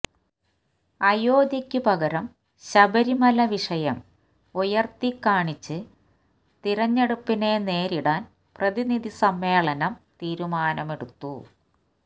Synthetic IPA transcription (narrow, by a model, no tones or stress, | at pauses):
ɐjo̞ːd̪jɐkʲːupɐɣɐɾɐm | ɕɐbɐɾimɐlɐʋiʂɐjɐm | ujɐrt̪ikːaːɳit͡ɕːɨ | t̪iɾɐɲːe̞ɽupːine̞ne̞ːɾiɽaːn | prɐðiniðisɐmːe̞ːɭɐnɐmt̪iːɾumaːnɐme̞ɽut̪ːu